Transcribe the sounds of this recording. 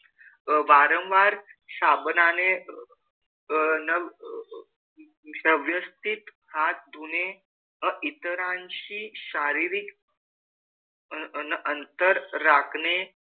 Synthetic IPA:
ʋaɾə̃wʋaɾsabnane | nəʋ | əʋjəst̪it̪hʰat̪̚d̪une | əʔit̪əɾãnɕiːɕaɾiɾik | nʔənt̪əɾːakʰne

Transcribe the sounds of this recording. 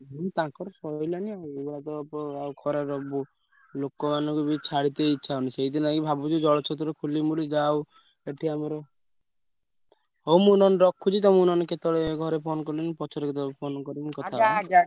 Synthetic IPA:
mut̪ãkɔɾɔsɔjlaniawebaat̪ɔpɔawkʰɔɾaɾɔbu | lokɔmanɔŋkubit͡ʃʰaɽit̪eiːt͡ʃʰauniseɦid̪inakibʱabud͡ʒud͡ʒɔɭɔt͡ʃʰɔt̪̬ɔɾekʰulimulid͡ʒaw | eʈʰiameɾɔ | ɦowmunɔneɾɔkʰːut͡ʃʰit̪ɔmunɔneket̪ɔɽeɡʱɔɾepʰonɔkɔɾlinipɔt͡ʃʰɔɾeket̪ɔepʰonɔkɔɾinkɔt̪ʰaa

